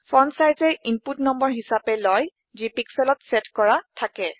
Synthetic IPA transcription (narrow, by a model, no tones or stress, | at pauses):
fɔnsajzɛinputnɔmbɔɹɦisapɛlɔj | zipiksɛlɔtsɛtkɔɹatʰakɛ